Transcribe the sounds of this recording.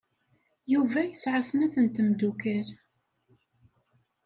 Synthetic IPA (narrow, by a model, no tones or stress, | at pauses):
juvæjəsʕasənæθənt̪əmd̪ukəɾ